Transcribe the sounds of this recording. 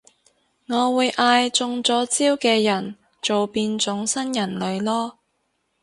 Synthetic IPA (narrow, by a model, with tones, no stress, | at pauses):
ŋɔː˨˧wuː˨˧jʔaː˧jt͡sʊ˧ŋt͡sɔː˨˥t͡siː˥wkɛː˧jɐ˨˩n | t͡so˨wpiː˧nt͡sʊ˨˥ŋsɐ˥njɐ˨˩nlɵ˨˧ɥlɔː˥